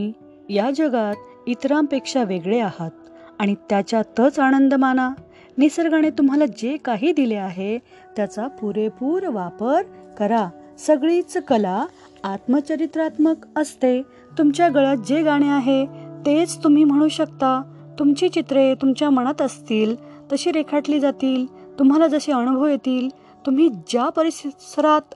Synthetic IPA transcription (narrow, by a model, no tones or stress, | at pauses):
i | jad͡ʑəɡat̪ | it̪ɾampekʂaʋeɡɭeahat̪̚ | aɽ̃it̪jat͡ɕjat̪əːt͡sañənd̪əmana | nisəɾɡaɽ̃et̪um̤alad͡ʑekaɦiːd̪ileaɦe | t̪jat͡sapuɾepuːɾʋapəɾkəɾa | səɡɭit͡skəlaː | t̪mət͡ɕəɾit̪ɾat̪məkəst̪e | t̪umt͡ɕjaɡəɭat̪̚d͡ʑeɡaɽ̃eaɦet̪et͡st̪um̤iːm̤əɽ̃uːɕəkt̪a | t̪umt͡ɕiːt͡ɕit̪ɾet̪umt͡ɕjaməɽ̃at̪əst̪iːl | t̪əɕiːɾekʰaʈliːd͡zat̪iːlt̪um̤alad͡zəɕeəɳɡʱojet̪iːl | t̪um̤iːd͡ʑjapəɾissəɾat̪